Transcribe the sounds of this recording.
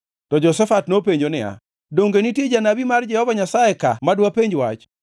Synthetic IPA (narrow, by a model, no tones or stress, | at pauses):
tɔd͡ʒɔsɛfatnopeɲd͡ʒonɪa̰ | doŋɡenitjed͡ʒanabimard͡ʒɛhɔvaɲasaɛkamadwapeɲd͡ʒwat͡ʃ